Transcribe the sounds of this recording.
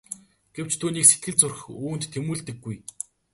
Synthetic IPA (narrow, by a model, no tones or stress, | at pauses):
ɡ̥ew̥t͡ɕt̪ʰuːniːkset̪ɡɘ̆ɮt͡sʊrxuːnt̪ʰːemuːɮt̪ɘ̆ɡːuj